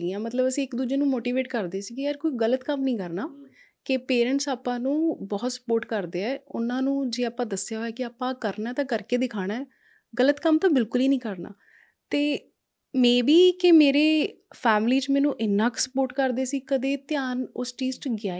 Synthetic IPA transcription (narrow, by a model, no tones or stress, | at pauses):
ɡiːãːmət̪ləbəsĩːɪkd̪uːd͡ʒeːnũːmoːʈiːʋeːʈkəɾd̪eːsiːkɪəɾkoːiːɡələt̪kəmnəĩːkəɾnaː | kɪpeːɾə̃ɳʈsaːpãːnũːbɔːt̪sə̥poːɾʈkəɾd̪eːɛːʊnãːnũːd͡ʒeːaːpãːd̪əsɪjaːɦoːɛːkɪaːpãːkəɾnaːt̪ãːkəɾkeːd̪ɪkʰaːɽ̃aːɛ | ɡələt̪kəmt̪ãːbɪlkʊliːnĩːkəɾna̰ː | t̪eː | mɛ̃ːbiːkɪmeːɾeː | pʰɛːmliːt͡ʃmɛːnũːʔɪnːãːksə̥poːɾʈkəɾd̪eːsiːkəd̪eːt̪ɪjaːnʊsʈiːsʈɡaː